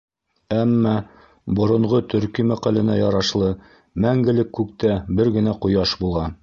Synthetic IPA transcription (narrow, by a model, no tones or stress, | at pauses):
æmːæ | bŏɾŏɴʁɤt̪ɵ̆ɾkimæqælɘ̆næjɒɾɑʃlˠɤ | mæŋɡɘ̆lɘkːʉk̚t̪æbɘɾɡɘ̆næqujɑʃbulˠɑ